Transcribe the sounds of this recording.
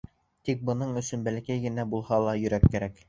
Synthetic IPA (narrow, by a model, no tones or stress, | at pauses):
t̪ik̚bɤ̆nɤɴɵ̆sɵnbælækæjɡɘ̆næbulˠhɑlˠɑjɵ̆ɾækːæɾæk